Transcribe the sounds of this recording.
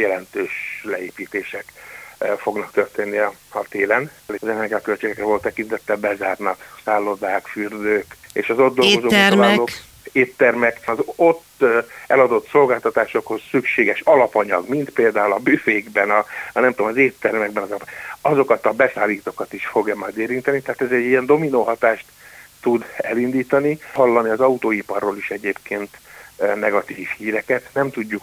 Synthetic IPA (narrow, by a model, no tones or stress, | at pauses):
jɛlɛnt̪øːʃlɛeːpiːt̪eːʃɛk | fo̞ɡnɒkt̪ø̞rt̪eːnːiɒɒt̪eːlɛnleɒzɛnɛrɡiɒkø̞lt͡ʃeːɡɛkrɛvo̞lt̪ːɛkint̪ɛt̪ːɛbɛzaːrnɒksaːlːo̞d̪aːkfyːrd̪øːkḛːʃɒzo̞d̪ːo̞lɡo̞zoːlalok | eːt̪ːɛrmɛkɒzo̞t̪ːɛlɒd̪o̞t̪so̞lɡaːlt̪ɒt̪aːʃo̞kho̞ssykʃeːɡɛʃɒlɒpɒɲɒ̰ɡmint̪peːld̪aːulɒbyːfeːɡbɛnɒnɛmt̪oːmɒzeːt̪ːɛrmɛɡ̚bɛnɒzɒɒzo̞kɒt̪ɒbɛsaːliːt̪oːkɒt̪iʃfo̞ɡɛmaːd̪eːɾint̪ɛnit̪ɛɦaːt̪ɛzɛɟːiɛnd̪o̞minoːɦɒt̪aːʃt̪ːud̪ɛ̰lind̪iːt̪ɒnihɒlːɒniɒzɒut̪oːipɒrːoːliʃɛɟeːpkeːnt̪nɛɡɒt̪iːfhiːɾɛkɛt̪nɛmt̪uɟːuk